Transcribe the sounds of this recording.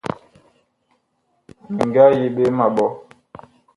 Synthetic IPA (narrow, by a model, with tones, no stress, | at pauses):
mi˨ŋ˨ɡa˦je˨ɓe˦ma˨ɓɔ˦